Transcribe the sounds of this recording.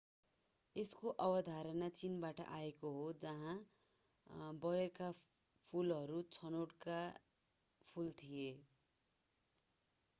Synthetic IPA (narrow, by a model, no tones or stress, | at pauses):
eskoʔʌbʌd̪ʱaɾʌnat͡sinbaʈʌ̰ʔaekoɦod͡zʌɦã | bʌjʌka | pʰulɦʌɾut͡sʰʌnoʈka | pʰult̪ʰije